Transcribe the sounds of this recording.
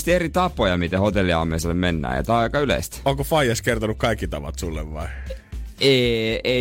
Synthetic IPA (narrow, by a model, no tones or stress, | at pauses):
st̪ierit̪ɑpːˑojɑmit̪æhot̪elːiɑ̰mːeiselːemmenːæ̰ːjɑ̰t̪ɑkːɑylḛist̪oŋkofɑijɑskert̪onukkɑikːit̪ɑʋɑ̰t̪sulːḛʋʋɑi | eːe